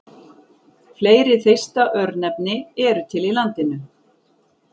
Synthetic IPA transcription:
fleːjɾɪθejst̪aʔœɾnɛpnɪɛɾʏt̪ʰɪlilant̪ɪnʏ

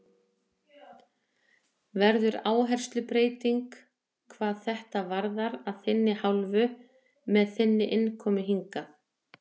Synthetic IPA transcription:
vɛɾðʏɾaːwɦɛr̥st̪lʏpɾeːjt̪iŋk | kʰvaːðθɛht̪avaɾðaɾaðθɪnːɪhawlvʏ | mɛðθɪnːɪʔɪnkʰɔːmʏɦiŋkaθ

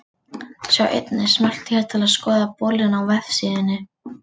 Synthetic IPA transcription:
sjawʔḛjt̪nɪsmal̥t̪çɛt̪ʰːɪlaðskɔːðapɔːlɪnawvɛvsiːðɪnːɪ

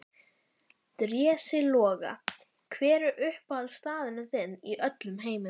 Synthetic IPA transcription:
t̪ɾjɛːsɪlɔːɣa̰ | kʰvɛːɾʏʔʏhpalst̪aːðɪnaθɪnːiʔœt̪lʏmɦeːjmɪn

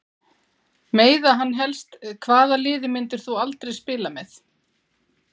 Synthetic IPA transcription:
meːjðaɦanːɦɛlst̪kʰvaːðalɪːðɪmɪnt̪ɪɾ̥θualt̪ɾejspɪːlamɛθ

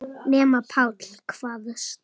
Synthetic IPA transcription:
nɛːmapʰawt̪l̥kʰv̥aːðʏs

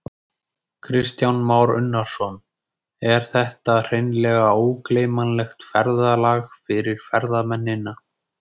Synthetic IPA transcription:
kʰɾɪst̪jawnmawɾʏ̰nːaɾ̥sɔn | ɛɾ̥θɛht̪ar̥ejnlɛːɣaoːwkleːjmanlɛxt̪fɛɾðalaːɣfɪɾɪɾ̥fɛɾðamɛnːɪna

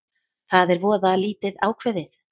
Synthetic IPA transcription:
θaðɛɾvɔːðaliːt̪ɪðaːwkʰvɛðɪθ

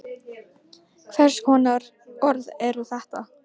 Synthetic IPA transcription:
kʰvɛr̥skhɔːnaɾ | ɔɾðɛɾuθɛht̪a

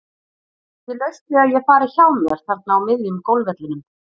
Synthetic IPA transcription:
θvɪlœɥst̪ɪaðjɛɣfaːɾɪ̥çawmjɛɾ̥θɛr̥t̪naawmɪðjʏmkowlvɛt̪lɪnʏm

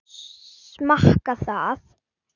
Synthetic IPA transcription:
smahkaθaːð

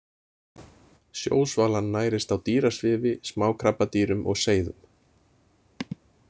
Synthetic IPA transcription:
sjo̰ːwsvaːlanːaːjɾɪst̪awt̪iːɾasvɪːvɪsmaːwkʰɾapːat̪iːɾʏmʔɔ̰ɣseːjðʏ̰m

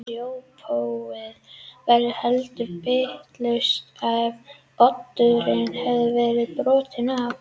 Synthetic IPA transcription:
jowpʰowɪðvɛɾʏhɛlt̪ʏpeht̪lœɥst̪av | pɔt̪ːʏɾɪnhɛvðʏvɛːɾɪðpɾɔːt̪ʰɪnav

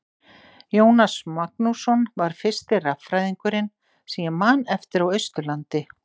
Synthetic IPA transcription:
joːwnasmak̚nusɔnvaɾ̥fɪ̥st̪ɪrafɾajðiŋkʏɾɪn | siamanːɛft̪ɪɾawœɥst̪ʏlant̪ɪ

